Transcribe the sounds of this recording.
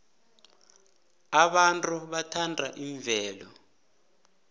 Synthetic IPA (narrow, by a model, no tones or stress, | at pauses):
aɓantʼuɓatʰantʼaʔiɱb̪vʱɛːlɔ